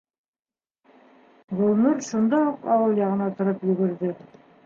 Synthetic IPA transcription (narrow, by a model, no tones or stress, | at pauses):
ɡŏlˠnuɾʃond̪ɑuqɑwɤlˠjɑʁɤ̆nɑt̪ŏɾɤpjɵ̆ɡɘ̆ɾðɘ